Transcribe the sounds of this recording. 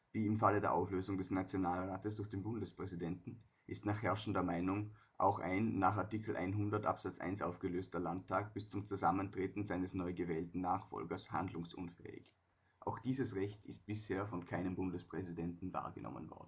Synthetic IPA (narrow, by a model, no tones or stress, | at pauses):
viːɪmfalədeːɐʔa̰ʊfløːzʊŋdɛsnat͡sjonaːlʁaːtəsd̥ʊɐxd̥eːnbʊndəspʁ̥ɛzidɛntn̩ | ʔɪstnaːχhɛɐʃn̩dɐmaɪnʊŋ | ʔa̰ʊxʔa̰ɪnːaːχaɐtikʰl̩ʔa̰ɪnɦʊndɐtʔa̰pz̥at͡sʔa̰ɪnsʔaʊfɡ̥əløːstɐlantʰːaːk̚b̥ɪst͡sʊmt͡suzaməntʁ̥eːtn̩zaɪnəsnɔʏɡəvɛːltn̩naːχfɔ̰lɡɐsha̰ndlʊŋsʔʊ̰nfɛ̰ːɪ̰ç | ʔa̰ʊxd̥iːzəsʁɛçtʰɪst̚b̥ɪsheːɐfɔnkʰaɪnəmbʊndəspʁ̥ɛzidɛntn̩va̰ːɐɡənʔɔ̰mə̰nvɔ̰ɐd̩